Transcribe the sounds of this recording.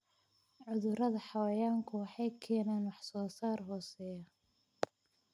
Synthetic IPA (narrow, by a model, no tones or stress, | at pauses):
ʕʊðʊɾɐðɐħɑwɐjaːŋkʰʊwɑħɑjkʰɛːnaːnwɑħsɔːsaːrɦɔːsɛːjɐ